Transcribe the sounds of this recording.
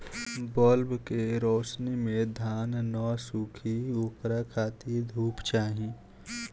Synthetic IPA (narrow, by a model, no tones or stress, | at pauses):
bɔːlbkeɾoːsnimẽd̪ʱaːnːɔːsuːkʰioːpɾakʰaːt̪id̪ʱuːpt͡ʃaːɦĩ